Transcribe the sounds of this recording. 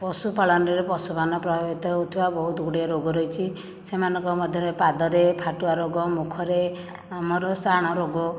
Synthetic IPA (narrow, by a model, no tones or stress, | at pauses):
pɔsupaɭɔnɔɾepɔsupanɔpɾɔbʱabit̪ɔɦut̪ʰibabɔɦud̪uɡɽiɔɾoɡɔɾɔjt͡ʃʰi | semanɔŋkɔmɔd̪ʱjɔɾepad̪ɔɾepʰaʈuaɾoɡɔmukʰɔɾe | amɔɾɔsaɽ̃ɔɾoɡɔ